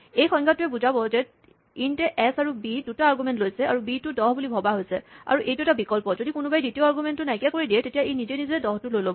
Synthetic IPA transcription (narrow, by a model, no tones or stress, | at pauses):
ejxɔ̃ŋɡʱatʊɛbuzabɔzɛt | intɛʔɛsaɹubidutaːɹɡumɛntlojsɛaɹubitʊdɔɦbulibʱɔbaɦojsɛa̰ɹuʔejtuɛtabikɔlpɔzodikʊnʊbajditijoaɹɡumɛntːʊnajkijakoɹidiɛtetijaʔejnizɛnizɛɛdɔɦtʊlojlobɔ